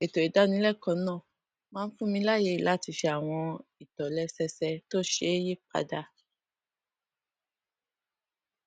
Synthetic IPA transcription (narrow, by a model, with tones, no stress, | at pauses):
e˨to˨i˨da˨˦nĩ˧˦lɛ˦˨kɔ̃˨nãː˦˨ | mãː˦˧n̩˦fũ˦mĩ˧˦la˦˨je˧˦i˨la˨˦˨ti˧ʃe˧a˨w̃ɔ̃˧i˨tɔ˨lɛ˧˦sɛ˧sɛ˧to˦ʃe˧˦e˦je˦k͡pa̰˧da˧˦